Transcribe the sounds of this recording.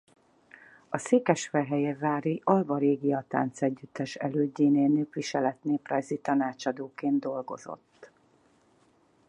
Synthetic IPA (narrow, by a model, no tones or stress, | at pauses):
ɒseːkɛʃfɛɦɛjeːvaːɾiʔɒlvɒɾeːɡiɒt̪a̰ːnt̪sɛɟːyt̪ːɛʃɛ̰løːɟːeːneːnøːpʋiʃɛlɛt̪neːprɒjzit̪ɒnaːt͡ʃɒd̪oːkeːnd̪d̪o̞lɡo̞̰zo̞̰t̪ː